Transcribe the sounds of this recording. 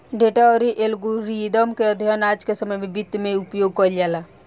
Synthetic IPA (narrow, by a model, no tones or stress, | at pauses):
ɖeʈaɔɾiʔelɡuɾid̪əmkeəd̪ʱijənaːd͡ʒkesəməjmẽbit̪ːmẽupjoɡ̚kɔɾld͡ʒaːla